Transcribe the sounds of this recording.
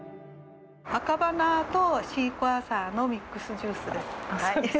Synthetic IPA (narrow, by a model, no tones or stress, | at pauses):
akabanaːt̪o̞ɕiːkoasaːno̞mʲikːɯ̟sɨd͡ʑɨːsɨd̪e̞sɨ̥